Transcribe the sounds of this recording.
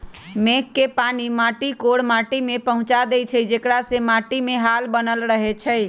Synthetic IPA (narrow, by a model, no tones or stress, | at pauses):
mekːepanimaʈikoɽmaʈimepəɦʊ̃t͡ʃad̪ɛt͡ʃʰəd͡ʒekɽasemãʈimeɦalbənəlɾəɦet͡ʃʰə